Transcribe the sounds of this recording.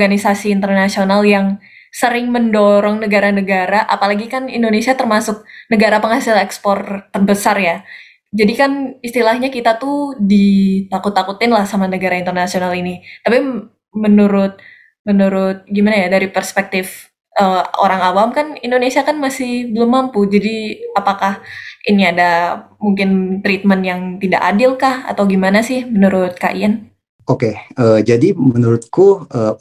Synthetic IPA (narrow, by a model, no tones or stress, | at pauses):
ɔɡanisasiːnt̪ərnasionaljaŋ | səɾɪŋməndoɾɔŋnəɡaɾanəɡaɾaʔapalaɡikanindonesiat̪ərmasʊk̚nəɡaɾapəŋhasɪlɛkspɔrt̪ərbəsarja | d͡ʒadikanist̪ilahɲakit̪at̪udit̪akʊt̪ːakut̪ɪnlahsamanəɡaɾaint̪ərnasionalinit̪api | mənuɾʊt̪̚ | mənuɾʊt̪̚ɡimanajadaɾipərspɛk̚t̪ɪf | ʔəo̰ɾaŋawamkanindonesiakanmasɪhbəlʊmːampud͡ʒadiapakahiniadamuŋkɪnt̪ɾit̪̚mənjaŋt̪ida̰ʔadɪlkaha̰t̪awɡimanasɪhmənuɾʊt̪̚ka̰ʔian | okeəːd͡ʒadimənuɾʊt̪̚kuəː